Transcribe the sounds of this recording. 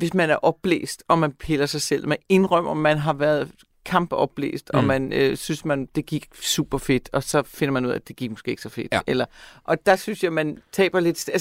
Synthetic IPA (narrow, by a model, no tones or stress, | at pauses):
ʋe̝smænæɐʔɒ̽b̥lḛːsd̥ɒ̽mænpʰe̝lɐsɑ̈ɪsel̰mee̝nʁɶm̰ɐmænɦɑ̈ʋæɐð̞ˠ | kʰɑ̈mb̥əɒ̽b̥lḛːsd̥ɒmænøsynsmænd̥e̝ɡ̥iɡ̥sṵːb̥ɐfe̝d̥ɒ̽sɒ̽fe̝n̰ɐmænuð̞̰ˠæd̥e̝ɡ̥iɡ̥mɔsɡ̥̝ːeɡ̥sɒfe̝d̥elɐʔɒ̽d̥ɑ̈synsjɑ̈ɪmænt͡sʰɛ̰ːb̥ɐle̝d̥sæls